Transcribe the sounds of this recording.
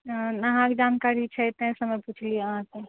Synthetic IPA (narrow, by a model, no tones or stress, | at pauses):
nɐɦãkd͡ʒaːnkaːɾit͡ʃʰɛt̪ẽsəməjpuːt͡ʃʰlieɦãse